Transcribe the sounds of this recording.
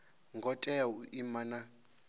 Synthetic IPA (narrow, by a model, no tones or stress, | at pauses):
ŋɡɔtʼɛuʔimana